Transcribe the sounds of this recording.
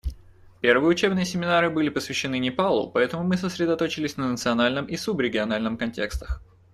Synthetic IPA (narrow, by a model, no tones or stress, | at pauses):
pʲe̞rvɨjəʊt͡ɕe̞bnɨjəsʲɪmʲɪnaɾɨbɨlʲɪpəsvʲɪɕːɪnɨnʲɪpalˠʊ̰pɐɛt̪əmʊmɨs̬əsɾʲɪd̪ɐt̪o̞t͡ɕɪlʲɪsʲnənət̪sɨɐnalʲnɨmʔisubɾʲɪɡʲɪɐn̪alʲnɨmkɐnʲtʲe̞̰kst̪ə̥x